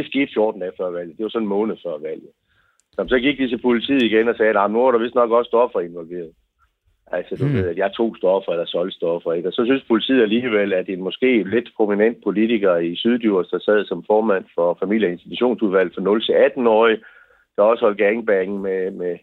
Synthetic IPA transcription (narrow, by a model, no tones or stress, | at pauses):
d̥e̝sɡ̥e̝ːd̥fjo̝ːd̥n̩d̥ɛfɶɐ̰ʋæl̰ð̩ˠd̥e̝ʋɑ̈sɒ̽nnmɔ̽ːnð̩ˠfɶɐ̰ʋæl̰ð̩ˠ | nɒm̩sɒ̽ɡ̥iɡ̥̚d̥is̬əpʰolit͡sʰḭð̰ːˠiɡ̥enɒ̽sɛːnɑ̈mnuɑɾɑ̈ʋe̝sd̥nɒ̽ɡ̥ɒ̽sd̥ɒ̽fɐe̝nʋɒ̽lʋe̝̰ːɐðˠ | ʔælsɒd̥uʋe̝ð̰ˠæd̥jɑ̈ɑt͡sʰo̝̰ːsd̥ɒ̽fɐelɐsɒ̽lsd̥ɒfɐe̝ɡ̥ɒ̽sɒ̽synspʰolit͡sʰḭð̩̰ˠæliːʋel̰æd̥e̝nmɒ̽sɡ̥e̝̰ːle̝d̥pʰʁominen̰d̥̚pʰo̝lit͡sʰiɡ̥ɐisyðˠd̥uɐ̰sd̥ɑ̈sɛðˠsɒ̽mfɒːmæn̰fɒ̽fæmil̰jəe̝nsd̥it͡sʰuɕo̝̰ːnsuðˠʋæl̰fʁɑ̈nɔ̽lt͡sʰe̝æd̥n̩ɒ̰ːi | d̥ɑ̈ɒ̽sə̥hɒ̽l̰d̥ɡ̥æeŋb̥æn̩meme